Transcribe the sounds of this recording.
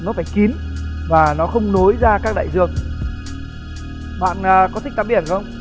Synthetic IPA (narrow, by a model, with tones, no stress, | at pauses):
nɔ˨˦faː˧˩jki˨˦nvaː˨˩nɔ˨˦xə˧wŋ͡mno˨˦jzaː˧kaː˦˥k̚ɗa̰ː˧˨zɨ˧˩əŋ | ɓa̰ː˧˨nəː˨˩kɔ˨˦t̪ʰï˦˥ta˧˩ɓi˧˩ənka˨˦ə˧wŋ͡m